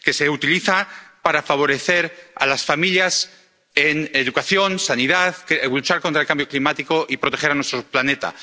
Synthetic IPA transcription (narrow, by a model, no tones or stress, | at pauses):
ke̞se̞ut̪iliθapaɾafaβ̞o̞ɾe̞θe̞ɾa̰lasfamiljas | eŋeðukaθjo̞nsaniðaðklut͡ʃaɾko̞nt̪ɾaelkambjo̞klimat̪iko̞ʔipɾo̞t̪exe̞ɾanwest̪ɾoplanet̪a̰